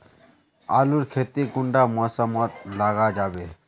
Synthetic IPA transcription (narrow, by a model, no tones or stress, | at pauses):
a̰ːluɾkʰeːt̪ikʊɳɖaːmɔːsamat̪laːɡaːd͡ʒaːbeː